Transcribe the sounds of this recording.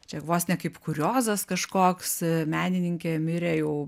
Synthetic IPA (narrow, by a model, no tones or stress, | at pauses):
t͡ʃʲɛʋoːsnʲɛkɐɪpkʊɾʲoːzɐskɐʃkoːksmʲæːnʲɪnʲɪŋʲkʲeːmʲɪɾʲeːjɛʊ